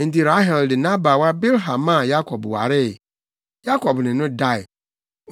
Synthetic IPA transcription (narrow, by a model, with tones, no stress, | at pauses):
n̩˨ti˨ɾa˦ɦɛ˨ldɪ˨nã˦ba˨wa˦be˦lɦã˨mã˦˨ja˦kʰɔ˨bwa̰˨ɾɪ˦˨ | ja˦kʰɔ˨bnɪ̃˨nʊ̃˦da˦˨ɪ˨